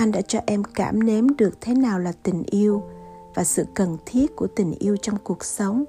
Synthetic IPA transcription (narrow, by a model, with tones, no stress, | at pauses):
ʔa˧ŋ̟ɗa̰ː˧˥t͡ɕɔ˧ʔɛ˧mkaː˧˩mne˨˦mɗɨ˨˩ək̚t̪ʰe˨˦naː˨˩wlaː˨˩t̪ï˨˩ŋ̟ʔi˧əw | vaː˨˩sɨ̰˧˨kə˨˩nt̪ʰi˦˥ət̚ku˧˩ət̪ï˨˩ŋ̟ʔi˧əwt͡ɕɔ˧wŋ͡mku˨˩ək̚sə˨˦wŋ͡m